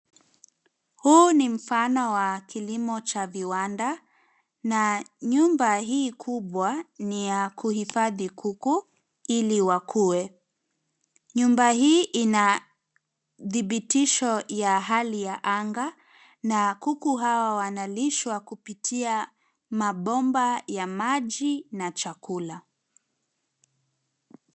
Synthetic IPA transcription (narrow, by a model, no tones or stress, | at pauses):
huːnim̩fanɔwakilimɔt͡ʃaviwanda | naɲumbaɦiːkʰuɓwanijakuhifaðikʰuku | iliwakʰuwɛ | ɲumbahiːʔina | ðiɓitiʃɔjaɦalijaʔaŋɡa | nakukuɦawawanaliʃwakupitʰia | maɓɔmbajamaʄinat͡ʃakula